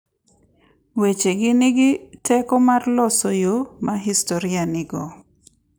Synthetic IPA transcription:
wet͡ʃeɡɪnɪɡɪtʰɛkɔmarlɔsɔjomʔaɦistoɾɪanɪɡɔ

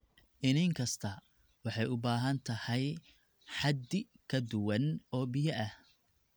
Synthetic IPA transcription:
ʔɪnɪŋkʰɐst̪ʰɐ | wɑħɑjʊbaːɦɐnt̪ʰɐhɛj | ħɑd̪ɪ | kʰɐd̪ʊwɐnɔːbɪjɐʔɐh

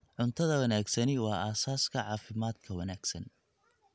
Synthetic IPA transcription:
ʕʊnt̪ʰɐðɐwɐnaːɡsɐnɪwɑːaːsaːskʰɐʕɑːfɪmaːd̪̚kʰɐwɐnaːɡ̥sɐ̰n

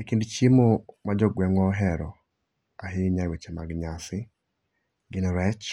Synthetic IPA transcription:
ekindt͡ʃimomad͡ʒɔɡwɛŋɔɦɛɾɔ | aɦɪɲawet͡ʃɛma̰ɡɲasɪ | ɡɪnɾɛt͡ʃ

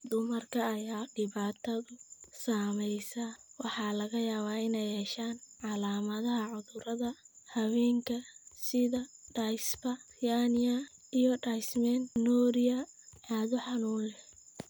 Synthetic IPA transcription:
d̪ʊmɐrkʰɐːjaːɖɪβaːt̪ʰɐðʊsaːmɛjsawɑħɑːlɐɣɐjaːβaːɪnɛjhɛʃaːnʕɑlaːmɐðɐɦɐʕʊðʊɾɐðɐ | hɐwɛːŋkʰɐsɪðɐɖajspɐ | janɪɐ | ijɞɖajsmɛnnɔːɾɪjɐʕaːðʊħɑnuːnɛ

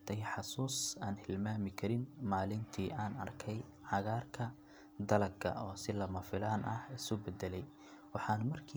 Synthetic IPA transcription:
t̪ʰɐjħɑsuːsaːnhɪlmaːmɪkʰɐɾɪnmaːlɪnt̪ʰiːʔaːnɐ̰rkʰɛj | ʕɑɣaːrkʰɐ | d̪ɐlɐɡkʰɐ̰ʔɔːsɪlɐmɐfɪlaːnʔɐ̰hɪsʊbɛd̪ɛlɛj | wɑħɑːnmɐrkʰiː

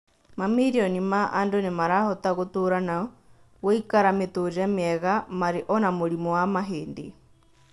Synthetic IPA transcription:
mamiɾiɔnimaʔandonemaɾahɔtaɣotoɾana | wɔikaɾametoɾɛmeɛɣamaɾeʔɔnamoɾimɔwamaɦeːndḛ

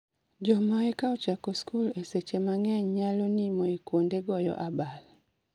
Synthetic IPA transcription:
d͡ʒɔmaekaɔt͡ʃakoskuleset͡ʃemaŋɛɲɲalonimɔekwondeɡɔjɔ̰ʔabal

